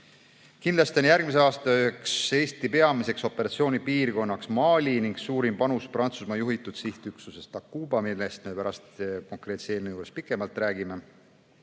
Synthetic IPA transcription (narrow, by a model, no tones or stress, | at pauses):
kind̪lɑst̪ionjærɡ̥̚mis̬e̞ɑːst̪ɑyekse̞ːst̪ipe̞ɑmise̞kso̞pːˑe̞ɾɑt̪sio̞ːnʲipiːrɡo̞nːɑksmɑːlʲiniŋɡ̥suːɾimpɑnusprɑnt̪susmɑjuɦit̪ːˑud̪̥siht̪yksuse̞st̪ɑkːuːbɑmilːest̪me̞pæɾɑst̪ko̞ŋkre̞ːt̪seːlnejuːɾespikːˑe̞mɑlt̪ræːɡ̥ime̞